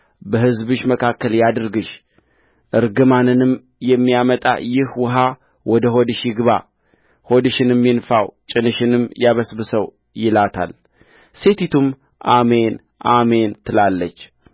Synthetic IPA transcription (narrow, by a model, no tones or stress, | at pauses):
bəhɨzbɨʃməkʰakːəljad̪ɾɡɨʃ | ʔɨɾɡɨmanɨnɨm | jɛmːijamət̪ʼa̰jɪhwʊɦa | wɔd̪əɦod̪ɨʃjɪɡɨβa | hod̪ɨʃɪnɛmːinfawt͡ʃʼɪnɨʃɪnɨmjaβəsbɨsəw | jɪlat̪ʰa̰l | se̞t̪it̪ʰum | ʔamen | ʔament̪ʰɨlalːət͡ʃː